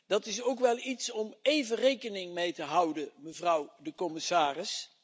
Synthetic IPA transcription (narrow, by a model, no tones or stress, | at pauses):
d̥ɑtɪsowkʋɛlˠitsɔmejvərejkənɪŋmejtəɦʌwdəməvrʌwdəkɔmɪsaːrɪs